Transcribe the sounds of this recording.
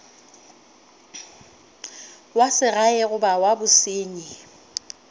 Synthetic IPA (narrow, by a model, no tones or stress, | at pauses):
wasɪɣaɛɣʊbawabʊsɪːɲɪ